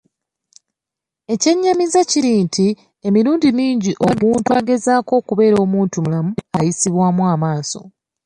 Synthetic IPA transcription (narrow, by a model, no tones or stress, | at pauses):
e̞ce̞ɲːamizaciɾintʰi | e̞miɾuːndimiːɲɟiʔo̞muntwaːɡe̞zaːko̞ːkuβe̞ːɾo̞ːmuːntumulamuajisiβwaːmwaːmaːso̞̰